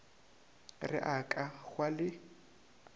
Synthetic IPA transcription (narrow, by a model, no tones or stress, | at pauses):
rɪ̰ʔakʼaɣwalɪ